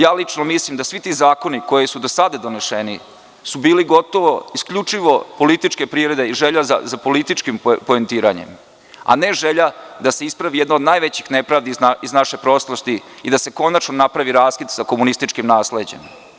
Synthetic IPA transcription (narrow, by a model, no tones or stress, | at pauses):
jaːlit͡ʂnomislimd̪asʋit̪iːzaːko̞niko̞jesud̪osad̪ad̪o̞ne̞ʃeni | subiːliɡo̞t̪o̞ʋo̞iskʎut͡ʂiʋo̞po̞lit̪it͡ʃke̞pɾiːʋɾe̞d̪eiʒeʎaza̰zapo̞lit̪it͡ʃkimpoent̪iːɾaɲḛm | a̰ne̞ʒeʎad̪ase̞ispɾaʋijed̪nood̪najʋet͡ɕixnepɾaːʋd̪iaiznaʃe̞pɾo̞slost̪iid̪ase̞ko̞nat͡ʃnonapɾaʋiɾaːskit̪sakomunist̪it͡ʃkimnaːsle̞d͡ʑe̞̰m